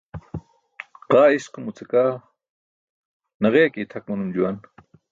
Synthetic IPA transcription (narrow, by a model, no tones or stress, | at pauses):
qɑːisqʊmut͡sekaː | nɐʁeːkit̪ʰɐk̚mɐnumd͡ʒuwan